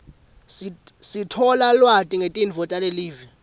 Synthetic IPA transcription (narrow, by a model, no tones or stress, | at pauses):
sisitʰɔlalwatʼiŋetʼinvʱɔtʼaleliːvi